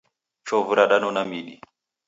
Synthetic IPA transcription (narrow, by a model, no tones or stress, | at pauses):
t͡ʃɔvuɾaɗanɔnamiɗi